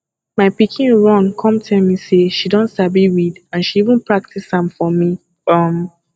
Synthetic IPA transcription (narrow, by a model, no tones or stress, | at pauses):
maɪpikʰĩnɹɔ̃nkʰɔ̃mtʰɛmiseʃidɔ̃ntsabiwidãnʃiivə̃npʰɹak̚tisãmfɔmi | ʌm